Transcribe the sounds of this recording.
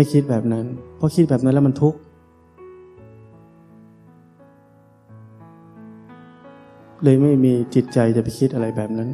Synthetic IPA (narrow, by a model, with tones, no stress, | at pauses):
a˥˩jkʰi˦˥t̪̚bɛː˨˩p̚na˦˥npʰɔ˦˥kʰi˦˥t̪̚bɛː˨˩p̚na˦˥nlːma˧nt̪ʰu˦˥k̚ | lɤː˧jma˥˩jmiː˧t͡ɕi˨˩t̪̚t͡ɕa˧jt͡ɕa˨˩pa˧jkʰi˦˥t̪̚ʔa˧ɾa˧jbɛː˨˩p̚na˦˥n